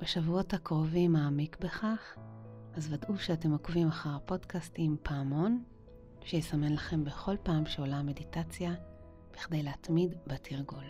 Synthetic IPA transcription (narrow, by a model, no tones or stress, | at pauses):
b̥eʃavuo̞thakʁovimaːmikbe̞χaχ | azvadʔuʃeate̞mokvimaχaʁapo̞dkastimpʰaːmo̞n | ʃejesame̞nlaχe̞mbe̞χo̞lpaːmʃeolame̞ditat͡sja | b̥iχdejleatmidbatʰiʁɡul